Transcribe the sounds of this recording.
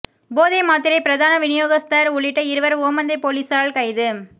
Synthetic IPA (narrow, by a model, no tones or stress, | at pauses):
boːðɐɪmaːt̪ɪɾɐɪpɪɾɐðaːnɐʋɪnɪjoːɣɐst̪ɐɾʊɭːɪʈːɐɪɾɯʋɐɾʊʋɐmɐnd̪ɐɪpoːɭiːsaːɭkɐɪðɯ